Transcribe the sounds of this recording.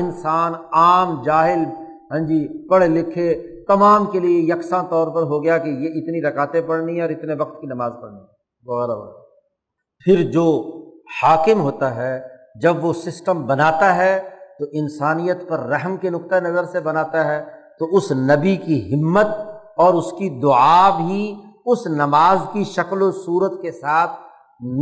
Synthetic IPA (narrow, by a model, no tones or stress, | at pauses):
ɪnsaːnaːmd͡ʒaːɦɪl | ɦɛ̃ːnd͡ʒipɐɽlɪkʰet̪ɐmaːmkeliejɐksãt̪ɔːɾpɐɾɦoɡɐjakejeɪt̪niɾɐkaːt̪epɐɽniɦɛ̃ɔːɾɪt̪neʋɐk̚t̪kinɐmaːzpɐɽniɦɛ | ʋɐɣɛːɾabɐ̰ | pʰɪɾd͡ʒoːhaːkɪmɦoːt̪aɦɛd͡ʒɐbʋosɪsʈəmbɐnaːt̪aɦɛt̪oʔɪnsaːnijət̪pɐɾːɛɦmkenʊk̚t̪anɐzəɾsebɐnaːt̪aɦɛt̪oʊsnɐbikiɦɪmːət̪̚ | ɔːɾʊskid̪ʊaːbɦiʊsnɐmaːzkiʃɐklosuːɾət̪kesaːt̪ʰ | n